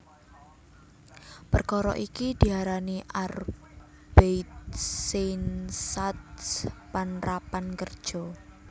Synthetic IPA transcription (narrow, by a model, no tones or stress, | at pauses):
pərkɔɾɔ̰ʔikid̪̥i̤ɦaɾaniʔar | b̥ejt̪̚sensat̪spanrapankərd̥ʒ̥ɔ